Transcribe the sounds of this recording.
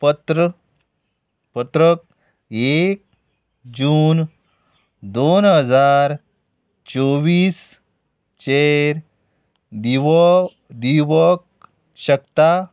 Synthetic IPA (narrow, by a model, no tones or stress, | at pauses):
pət̪ɾə | pət̪ɾək̚ | ek̚ | d͡ʑuːn | d̪onɦəd͡zaɾ | t͡ɕoʋiːs | t͡ɕeɾ | d̪i | d̪iʋək̚ | ɕəkt̪a